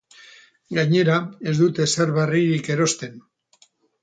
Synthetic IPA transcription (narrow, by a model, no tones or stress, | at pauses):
ɡaɲe̞ɾae̞zd̪ut̪e̞saɾβariɾike̞ɾo̞st̪e̞n